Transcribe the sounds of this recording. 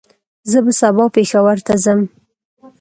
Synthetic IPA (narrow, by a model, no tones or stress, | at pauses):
zəbasabɑpexawaɾt̪azəm